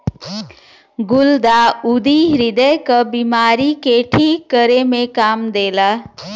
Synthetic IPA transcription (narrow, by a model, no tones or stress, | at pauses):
ɡʊld̪aːud̪iːɦɾɪd̪əjkəbimaːɾikeʈʰiːkːəɾemẽkaːmd̪eːlaː